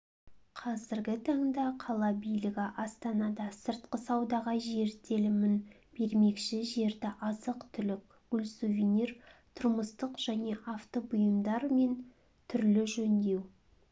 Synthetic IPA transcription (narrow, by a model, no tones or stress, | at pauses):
qʰɑzɪɾɡʲɪt̪ʰɑɴd̪ɑqʰɑlˠɑbijlɪɡʲɪʔɑst̪ɑnɑd̪ɑsəɾt̪qəsɑwd̪ɑʁɑʒe̞ɾt̪ʰelɪmɪn | b̥e̞ɾme̞kʃɪʒe̞ɾd̪ɪʔɑzəqt̪ʰʏlɪk̚ʲ | ɡ̥ʊlʲsuvʲiniɾt̪ʰʊɾməst̪əqʒ̥æne̞ʔɑft̪obʊjəmd̪ɑɾme̞n | t̪ʰʏɾlɪʒɵnd̪e̞w